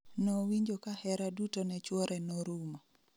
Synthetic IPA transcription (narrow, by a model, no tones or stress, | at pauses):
nowiɲd͡ʒokahɛɾadutonɛt͡ʃwɔɾʔɛnoɾuma